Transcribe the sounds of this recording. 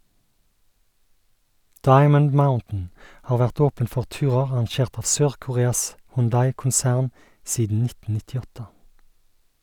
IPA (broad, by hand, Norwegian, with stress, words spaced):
ˈdɑɪmən ˈmaʊntn̩ ˈhɑːʁ ˈʋæʁt ˈoːpən ˈfɔʁ ˈtʉːʁəʁ ɑʁɑnˈʃeːʁt ˈɑːʋ ˈsøːʁkʊˌʁeːɑs hʊnˈdɑɪkʊnˌsæʁn ˈsiːdn̩ ˈnɪtn̩ nɪtɪˈɔtə